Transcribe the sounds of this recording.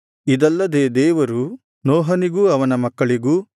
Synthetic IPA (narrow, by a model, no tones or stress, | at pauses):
id̪ɐlːɐd̪eːd̪ɛːʋɐɾu | nɔːɦɐniɡuɐʋɐnɐmɐkːɐɭiɡuː